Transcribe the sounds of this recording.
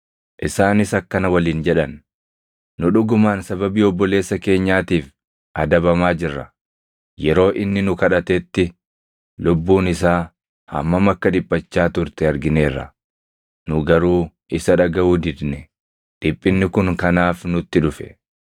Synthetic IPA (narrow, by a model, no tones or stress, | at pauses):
ʔɪsaːnɪsɐkːɐnɐwɐliːnd͡ʒɛᶑɐnː | ʊᶑʊɡʊmaːnsɐbɐbiːɔbːɔle̞ːsːɐke̞ːɲːaːt̪iːf | ʔɐd̪ɐbɐmaːd͡ʒɪrːɐ | jɛɾo̞ːʔɪnːɪnʊkɐᶑɐt̪ɛt̪ːɪ | lʊbːuːnɪsaː | hɐ̰mːɐmɐkːɐᶑ̪ɪbʼːɐt͡ʃːaːt̪ʊɾt̪ɛɐɾɡɪne̞ːrːɐ̰ | nʊɡɐɾuː | ʔɪsɐᶑɐɡɐuːd̪ɪd̪nɛ | ᶑɪpʼːɪnːɪkʊŋkɐnaːfnʊt̪ːɪᶑʊfɛ̥̰